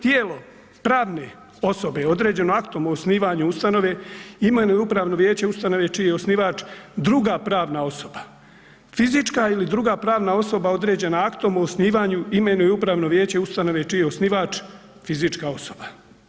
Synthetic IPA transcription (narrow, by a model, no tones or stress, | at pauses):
t̪jeːlo̞ | pɾaːʋne̞ | o̞so̞be̞o̞d̪ɾe̞ːd͡ʑe̞noakt̪omoːsniːʋaːɲuust̪ano̞ʋe̞imenujupɾaːʋno̞ʋjeːt͡ɕe̞ust̪ano̞ʋe̞t͡ʃijeeosniʋaːt͡ʃd̪ɾuɡapɾaːʋnao̞so̞ba | fizit͡ʃkailid̪ɾuɡaːpɾaːʋnao̞so̞bao̞d̪ɾe̞ːd͡ʑe̞naakt̪omoːsniːʋaːɲuime̞nujeupɾaːʋno̞ʋje̞ːt͡ɕe̞ust̪ano̞ʋe̞t͡ʃijeosniːʋaːt͡ʃ | fizit͡ʃkao̞soba